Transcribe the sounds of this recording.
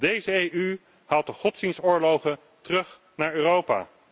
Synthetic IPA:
dejzəejy | haːlˠt̚əχɔtsdinsʊːɹlowχən | tərɵχ | naːɹøːrowpa̰ː

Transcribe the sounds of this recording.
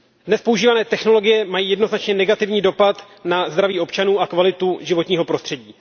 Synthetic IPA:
dnɛspo̞uʒiːvanɛːt̪ɛxno̞lo̞ɡɪjɛmajiːjɛdnoznat͡ʃɲɛnɛɡat̪ɪvɲiːdo̞pat̪ | nazd̪ɾaviːʔo̞pt͡ʃanuːʔakvalɪt̪uʒɪvo̞t̪ɲiːɦo̞pɾo̞st̪r̥ɛɟiː

